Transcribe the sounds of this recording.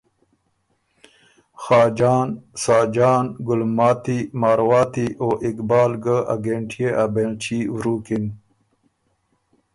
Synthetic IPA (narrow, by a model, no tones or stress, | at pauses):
xaːd͡ʑaːnsaːd͡ʑaːnɡulmaːt̪imaːɾwaːt̪iʔoːʔikbaːlɡəa̰ɡeɳʈʰijeʔabent͡ɕiwɾuːkin